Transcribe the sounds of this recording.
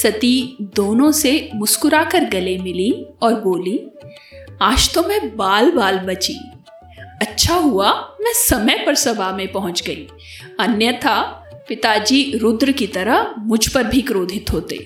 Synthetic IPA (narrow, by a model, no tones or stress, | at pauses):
sɐt̪id̪oːnõsemʊskʊɾakɐɾɡɐlemɪlĩɔːɾboːlĩ | aːʃt̪õmẽbaːlbaːlbɐt͡ʃḭ̃ː | ɐtːʃʰaɦuamɛ̃ːsɐməjpɐɾsɐbamẽpɐɦʊ̃t͡ʃɡɐiː | ɐnjət̪ʰapɪt̪ad͡ʒiɾʊd̪ɾəkit̪ɐɾəɦmʊd͡ʒʱpɐɾbʱikɾoːd̪ʱɪt̪ɦoːt̪ḛː